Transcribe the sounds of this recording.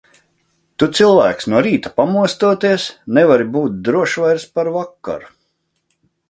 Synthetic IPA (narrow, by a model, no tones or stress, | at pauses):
t̪ut̪silˠvæːksnuɔɾiːt̪ḁpamuɔst̪uɔt̪iɛsnɛvaɾibuːt̪̚d̪ɾuɔʃvajɾspaɾvakːa̰ɾu